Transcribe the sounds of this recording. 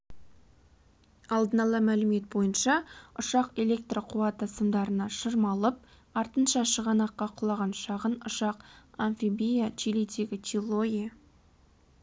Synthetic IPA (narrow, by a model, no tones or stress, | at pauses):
ɑlˠd̪ənɑlˠɑmælɪme̞t̪̚bo̞jənʃɑʊʃɑqe̞le̞k̚t̪roqʰuɑt̪əsəmd̪ɑɾənɑʃəɾmɑlˠəp̚ | ɑɾt̪ənʃɑʃəʁɑnɑqːɑqʰʊlˠɑʁɑnʃɑʁənʊʃɑqanfibijat͡ʃʰilet̪ʰeɡʲɪt̪ʲʰilˠo̞e